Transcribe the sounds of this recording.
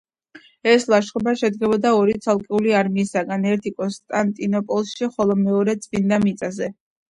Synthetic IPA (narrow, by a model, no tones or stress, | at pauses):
ɛslˠaʃχʼɔbaʃɛd̪ɡɛbɔd̪aɔɾit̪sʰalˠkʼɛuliaɾmiːsaɡanɛɾt̪ʰikʼɔnst̪ʼant̪ʼinɔpʼɔlˠsʃiχɔlˠɔmɛɔɾɛt̪sʼvind̪amit̪sʼazɛ